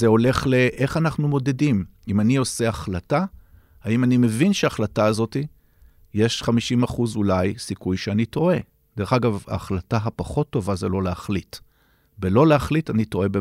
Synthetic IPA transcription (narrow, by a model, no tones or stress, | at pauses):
zeo̞le̞χle̞ʔeχanaχnumo̞de̞dimimanio̞se̞aχlata | aimanime̞vinʃeaːχlataːzo̞ti | je̞ʃχamiʃimaχuzulajsikujʃeanito̞e̞ | d̥eʁeχaɡava̰ːχlataɦapaχo̞tːo̞vazelo̞leaχlit | belo̞leaχlitanitoe̞be